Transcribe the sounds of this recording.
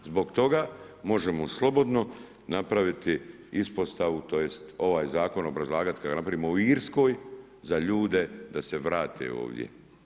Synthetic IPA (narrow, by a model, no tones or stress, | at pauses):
zbo̞ɡt̪o̞ɡa | mo̞ʒe̞moslˠo̞bo̞d̪no̞ | napɾaʋit̪i | ispo̞st̪aʋut̪o̞je̞st̪o̞ʋaːjzaːko̞no̞bɾazlˠaːɡat̪i̥kaɡanapɾaʋimouiːɾsko̞ːj | zaʎuːd̪e̞d̪ase̞ʋɾaːt̪ʰḛo̰ːʋd̪ʲjḛ